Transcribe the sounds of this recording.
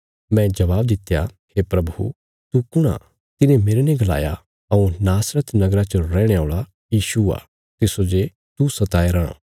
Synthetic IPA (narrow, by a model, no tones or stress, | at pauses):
mɛ̃d͡ʒɐʋaːbd̪ɪt̪ːja | hepɾɐbṵ | t̪ukʊɽ̃a̰ | t̪ɪnẽmeːɾeneɡɐla̰ːja̰ | ɐũnaːsɾət̪nɐɡɾat͡ʃɐɾɛ̃ːɽ̃eoːɭa | jiːʃua̰ | t̪ɪsod͡ʒe | t̪usɐt̪aːeɾaːɽ̃ã̰